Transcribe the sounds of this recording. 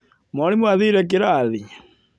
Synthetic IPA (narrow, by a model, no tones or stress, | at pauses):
mɔnimwaðiɾɛk̬eɾaði